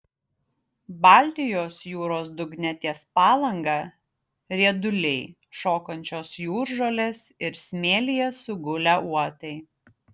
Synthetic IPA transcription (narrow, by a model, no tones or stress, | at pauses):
bɑˑlʲt̪ʲɪjoːsjuːɾoːsd̪ʊɡnʲɛt̪ʲiɛspɑːlˠɐŋɡɑˑ | ɾʲiɛd̪ʊlʲɛɪ | ʃoːkɐnʲt͡ʃʲoːsjuːɾʒolʲeːsɪɾsʲmʲeːlʲɪjɛsʊɡʊlʲæːʔuɔt̪ɐɪ